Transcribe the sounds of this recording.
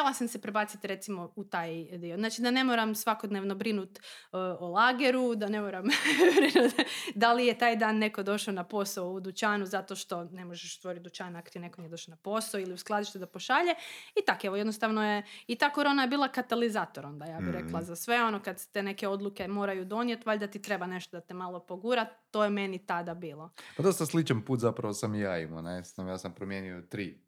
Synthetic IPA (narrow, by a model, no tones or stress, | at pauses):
elasamsepɾebaːt̪sit̪ɾe̞t̪simo̞ut̪aːjd̪ioznaːt͡ʃid̪ane̞moɾamsʋakod̪neʋnobɾinut̪olˠaːɡeɾud̪ane̞moːɾambɾinut̪d̪alijet̪aːjd̪aːnːe̞ko̞d̪o̞ʃaonapo̞saoud̪ut͡ɕaːnuzat̪oʃt̪o̞ne̞moʒeʃst̪ʋo̞ɾit̪̚d̪ut͡ɕaːnako̥t̪ine̞konijd̪oʃaonapo̞saoiliusklˠad̪iʃt̪ud̪apo̞ʃaːʎeit̪akeʋojed̪nost̪aʋnojeit̪aːko̞ɾo̞ːnajebiːlˠakat̪alizaːt̪o̞ɾo̞nd̪ajaːbiɾeklˠazasʋe̞o̞nokad̪se̥t̪ene̞keo̞d̪luke̞mo̞ɾajud̪o̞njet̪ʋaʎd̪at̪it̪ɾe̞bane̞ʃt̪od̪at̪emalˠo̞po̞ɡuɾat̪ːo̞jeme̞nit̪ad̪abiːlˠo̞pad̪o̞st̪aslit͡ʃanpuːt̪zapɾaʋosamjaːḭmo̰nesajaːsampɾomjeniot̪ɾiː